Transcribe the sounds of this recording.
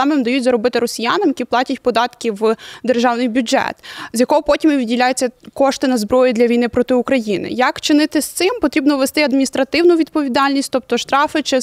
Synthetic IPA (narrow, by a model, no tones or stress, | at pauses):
ɑmɪmd̪ɐjutʲzɐɾɔbɪt̪ɪɾɔsʲijanɐmjɐkʲiplˠɑtʲɐtʲpɔd̪ɑt̪kʲɪwd̪erʒɑwnɪjbʲʊd͡ʒɛ̰t̪zʲjɐkɔɦɔpɔtʲimʋʲidʲdʲilʲajʊt͡sʲːɐkɔʃt̪ɪnɐzbɾɔjid̪lʲɐijnɪpɾɔt̪ɪukɾɐjinɪ̰jɐkt͡ʃɪnɪt̪ɪsʲt̪sɪmpɔt̪ɾʲibnɔʋest̪ɪɐd̪mʲinʲist̪ɾɐt̪ɪwnʊʋʲid̪̚pɔʋʲid̪ɑlʲnʲisʲtʲt̪ɔp̚t̪ɔʃt̪ɾɑfɪt͡ʃɪ